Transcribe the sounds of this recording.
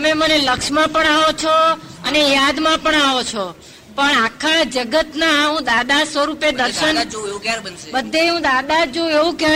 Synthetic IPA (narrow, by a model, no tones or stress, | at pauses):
əmeməneləkʃmãpəɳaʋot͡ʃʰoənejad̪mãpəɳaʋot͡ʃʰo | pəɳakʰad͡ʒəɡət̪naɦũd̪ad̪asʋəɾuped̪əɾʃən | bəd̪ʱːeɦũd̪ad̪ad͡ʒõeʋũka